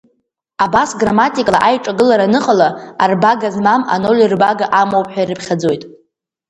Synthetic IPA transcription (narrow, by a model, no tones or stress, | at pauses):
abasɡramatʼikʼla̰ʔajʈ͡ʂʼaɡɨlaɾanɨχʼalaarbaɡazmama̰no̞lʲirbaɡaʔamowpʼħʷᶣairɨpʰχʲad͡zo̞jtʼ